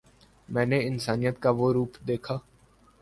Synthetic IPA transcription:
mɛ̃ːneɪnsaːnijət̪kaʋoːɾuːpd̪eːkʰaː

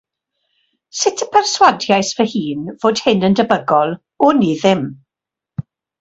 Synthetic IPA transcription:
sɪtʰəpʰɛrswadjajsvəhiːnvoːd̥hɪnəndəbəɡɔlˠ | ʊniðɪm

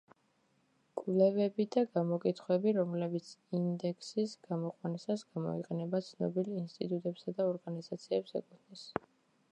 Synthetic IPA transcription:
kʼlɛvɛbid̪aɡamɔkʼit̪ʰχwɛbiɾɔmlɛbit̪sʰind̪ɛkʰsisɡ̥amɔqʼwanisasɡ̥amɔ̰iqʼɛnɛbat̪sʰnɔ̰bilinst̪ʼit̪ʼut̪ʼɛpsad̪aɔɾɡanizat̪sʰiɛpsɛ̰kʼut̪ʰnɛs

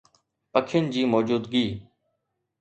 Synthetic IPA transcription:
pəkʰɪjənd͡ʑiːmoːd͡ʑuːd̪ɡiː

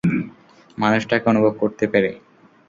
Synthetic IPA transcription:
manuʃʈakeonubʱob̚koɾt̪epeɾe

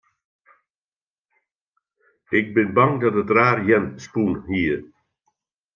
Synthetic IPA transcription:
ɪk̚bɪnbaŋdɑtətraːrjɛnspunhiːɾ

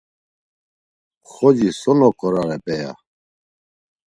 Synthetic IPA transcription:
xɔd͡ʑisɔnɔkɔɾaɾɛpɛja̰

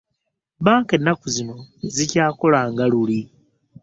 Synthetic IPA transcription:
βaːŋke̞nːakuzinozicaːko̞laːŋɡaluli

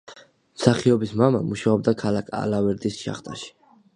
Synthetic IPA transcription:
msaχiɔbismamamuʃaɔb̚d̪akʰalakʰa̰lavɛɾd̪isʃa̰χt̪ʼa̰ʃi̥

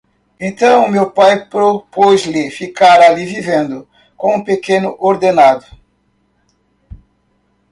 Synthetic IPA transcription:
ẽnt̪ɐ̃w̃mewpajpɾopozlɪfikaɾalivivẽnd̪ʊ | kõũpekenʊʔoɾd̪enad̪ʊ

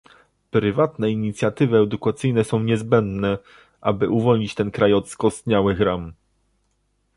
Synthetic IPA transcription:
pɾɘvat̪nɛiɲit̪sʲjat̪ɘvɘɛd̪ukat̪sɘjnɛsɔ̃w̃ɲɛzbɛnd̪nɛ | ʔa̰bɘʔuvɔlɲit͡ɕt̪ɛnkɾajɔt̪skɔst̪ɲawɘxɾam

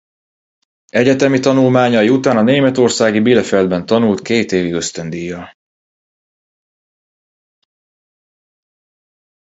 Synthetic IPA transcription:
ɛɟɛt̪ɛmit̪ɒnulmaːɲɒjiut̪aːnɒneːmɛt̪o̞rsaːɡibilɛfɛld̪̚bɛnt̪ɒnult̪keːt̪eːviɡøst̪ønd̪ijːɒ

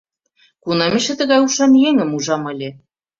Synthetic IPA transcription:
kunɑmeʃĕt̪ə̆ɣɑjuʃɑnjeŋə̆muʒɑmɤ̆lʲĕ

